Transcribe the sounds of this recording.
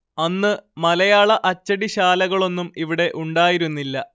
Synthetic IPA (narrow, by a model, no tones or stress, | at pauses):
ɐnːɨmɐlɐjaːɭɐʔɐt͡ɕːɐɽiɕaːlɐɣɐɭo̞nːumiʋiɽe̞ʔuɳɖaːjiɾunːilːɐ̰